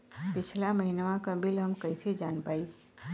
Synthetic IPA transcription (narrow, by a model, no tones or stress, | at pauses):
pɪt͡ʃʰlaməɦinʋãkəbilɦəmkəɪsed͡ʒaːnpaːi